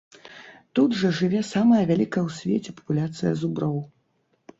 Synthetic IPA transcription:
t̪ud̪ʐɐʐɨvʲɛsamɐjɐvʲalʲikɐjɐwsʲvʲet͡sʲɛpɐ̥pulʲat̪sɨjɐ̰zubɾɔw

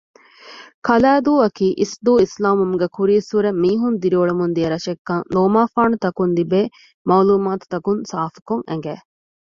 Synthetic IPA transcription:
kʰɐlæːd̪uːɐkiːʔisd̪uːislaːmumuɡekuɾiːsuɾemːiːɦund̪iɾioɭemund̪iɐɾɐʃekːɐŋloːmaːfaːɳut̪ɐkund̪ibeː | mɐwluːmaːt̪u̥t̪ɐkunsaːfi̥kuŋḛŋɡæː

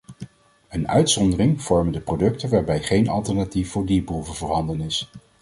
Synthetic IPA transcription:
ənœ̰ɥtsɔndərɪŋv̥ɔɹməndəprodɵk̚təʋaːɹbɛjχejnɑ̰lˠtɛɹnatifvʊːɹdipruvəvəɹɦɑndənɪs

